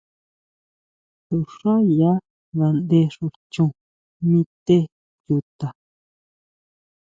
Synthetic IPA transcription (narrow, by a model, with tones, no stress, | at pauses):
t̪u˧˨ʂa˦ja˦ | ða˧nd̪e˧ʂu˧˨ɾt͡ʃũ˧ | mĩ˧t̪e˦ | ju˧t̪a˨